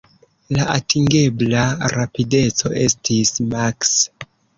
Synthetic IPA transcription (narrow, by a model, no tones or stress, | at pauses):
laʔatiŋɡe̞blaɾapide̞t͡so̞̰ʔe̞stʰismaks